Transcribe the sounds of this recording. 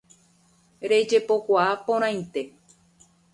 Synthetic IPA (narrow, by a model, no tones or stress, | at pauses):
ɾe̞d͡ʒe̞po̞kʷaapõɾ̃ãj̃nt̪e̞